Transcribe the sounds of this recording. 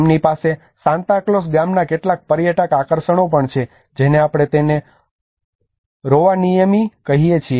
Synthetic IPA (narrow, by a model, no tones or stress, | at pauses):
mnipase | sãnt̪aklos̬ɡamnakeʈlak̚pəɾjəʈəkakəɾʃəɳopəɳt͡ʃʰe | d͡ʒeneapɽ̃et̪ene | ɾoʋanijəmikəɦijet͡ʃʰie